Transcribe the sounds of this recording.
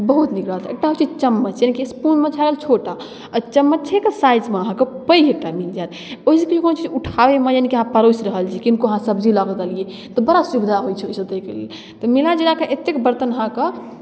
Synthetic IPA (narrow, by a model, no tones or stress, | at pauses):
bəɦut̪nikɾəɦəlt̪ʰḛk̚ʈaɦot͡ʃid͡ʒt͡ʃəmːət͡ʃjanikispunmet͡ʃʰaɡelt͡ʃʰoʈa | ət͡ʃəmːət̚t͡ʃʰekəsajd͡ʒmeəɦãkəpəjek̚ʈanikd͡ʒat̪ | oɦis̬ekd͡ʒekonot͡ʃid͡ʒuʈʰabemejanikiəɦãpəɾosɾəɦəlt͡ʃʰikinkoəɦãsəbd͡ʒʱilaɡd̪əlije | t̪ɔbəɽasubid̪ʱaɦojt͡ʃʰɛosət̪əkelie | t̪ɔmilad͡ʒelakeʔet̪ːekbəɾt̪ənəɦãkə